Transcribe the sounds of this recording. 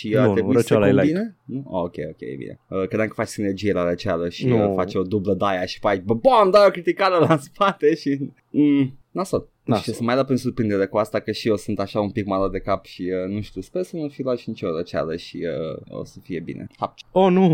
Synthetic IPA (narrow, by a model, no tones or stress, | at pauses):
ʃit̪eiebinenuookʲejokʲḛjḛbḭnḛəkɾed̪amkə̥fat͡ʃsinerd͡ʒijelaɾət͡ʃaləʃifat͡ʃo̞d̪ubləd̪ajaʃi̥pajbəboamd̪ajokɾit̪ikaɾelaspat̪eʃi | nasol | t͡ʃesɨmajlapensurpɾind̪eɾekuast̪akəʃiosɨnt̪aʃaumpikmalad̪e̞kapʃiənuʃt̪uspesənufilaʃinit͡ʃoɾət͡ʃa̰ləʃiəo̰səfie̞bḭnʔḛapt͡ʃonu